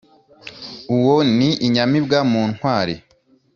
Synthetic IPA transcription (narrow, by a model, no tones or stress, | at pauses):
uwoniʔiɲamibɡamuːn̥hwaːɾi